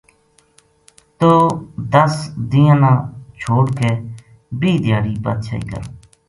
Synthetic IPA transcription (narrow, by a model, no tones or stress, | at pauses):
t̪oːd̪əsd̪ɪjãːnãːt͡ʃʰoːɽkeː | biːd̪ɪjaːɽiːbə̰ːt̪̚t͡ʃʰa̰ːḭːkə̰ɾ̰ː